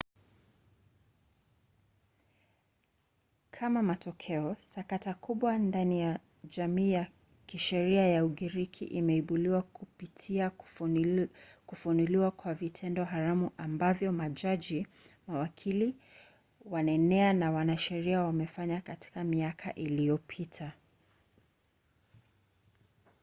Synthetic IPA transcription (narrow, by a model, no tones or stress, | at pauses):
kʰamamatɔkʰɛɔsakatakʰuɓwandanija | ʄamiːja | kiʃɛɾiajauɠiɾikʰḭʔimɛiɓuliwakupitʰia | kufunuliwakwavitʰɛndɔɦaɾamuʔambavjɔmaʄaʄi | mawakʰili | wanɛnɛanawanaʃɛɾiawamɛfaɲakati̥kamiakʰa̰ʔilijɔpʰitʰa